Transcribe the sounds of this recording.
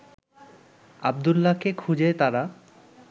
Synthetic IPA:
ab̚d̪ulːakekʰud͡ʑet̪aɾa

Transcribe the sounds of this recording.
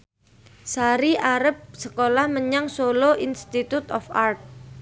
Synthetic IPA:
saɾiʔaɾəp̚səkolahməɲaŋsoloinst̪it̪ut̪ɔ̰fart̪̚

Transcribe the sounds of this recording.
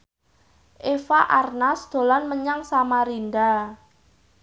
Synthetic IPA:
ʔefaʔarnasd̪̥o̤lanməɲaŋsamaɾinda

